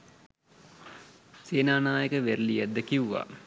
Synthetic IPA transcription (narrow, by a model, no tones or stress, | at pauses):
seːnaːnaːjəkəʋerlijæd̪ːəkiuʋa̰